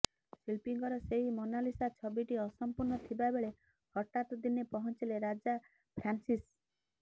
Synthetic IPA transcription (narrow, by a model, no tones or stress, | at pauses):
silpiŋɡɔɾɔseɦimonalisat͡ʃʰɔbiʈiɔsɔmpuɾnɔt̪ʰibabeɭe | hɔʈat̪ɔd̪inepɔɦɔnt͡ʃileɾad͡ʒa | pʰɾansis